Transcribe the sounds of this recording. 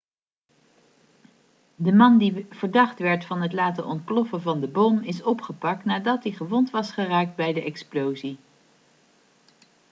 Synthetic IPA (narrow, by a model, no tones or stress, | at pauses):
dəmɑndiv̥əɹdɑχtʋɛɹtfɑnɦətlaːtə̰ʔɔnt̚klɔfəvɑndəbɔmɪsɔpχəpɑk̚tnaːdɑt̚diχəʋɔntʋɑsχəraːk̚d̚bɛjdəʔɛksplowzi